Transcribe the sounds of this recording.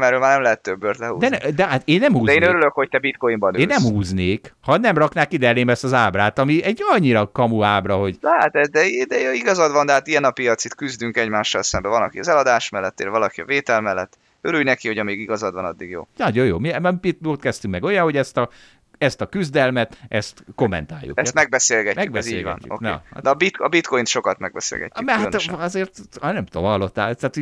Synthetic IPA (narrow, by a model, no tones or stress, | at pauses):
mɛɾøːlmaːrnɛmlɛɦɛt̪ːøbːørt̪lɛhṵːd̪ɛɛd̪ɛɦat̪eːnːɛmhuːzd̪eːnøɾyløkho̞c̚t̪ɛbit̪kojimbɒnøeːnːɛmhuːzneːkhɒnɛmrɒknaːkid̪ɛleːmɛst̪ɒzaːbraːt̪ɒmiɛɟɒɲːiɾɒkɒmuaːbrɒɦo̞ɟd̪haːt̪ɛzd̪ɛid̪ɛiɡɒzɒd̪vɒnd̪ɛɦaːt̪iɛnɒpijɒt̪sit̪kyzd̪yŋkɛɟmaːʃːɒ̰lsɛmbɛvɒnɒ̰kiɒzɛlɒd̪aːʃmɛlːɛt̪ːḛːlvɒlɒkiɒ̰veːt̪ɛlmɛlːɛt̪ː | øɾylnɛkiho̞ɟɒmeːɡiɡɒzɒd̪ʋɒnɒd̪ːiɡjo̰ːnɒɟojoːmiɛɛmpiot̪kɛst̪yŋkmɛɡo̞jɒho̞ɟɛst̪ɒ | ɛst̪ɒkyzd̪ɛlmɛt̪ɛst̪ko̞mːɛ̰nt̪aːjːṵkɛst̪mɛɡ̚bɛseːlɡɛcmːyɡ̚bɛzeːlɛ̰nːṵo̰knɛ̰a̰d̪bit̪ɒbit̪kojint̪ʃo̞kɒt̪mɛɡ̚bɛsḛːlɡɛ̰cːymɛhaɒzeːrt̪nɛmt̪omhɒlːo̞t̪ːaːlt̪aːt̪ho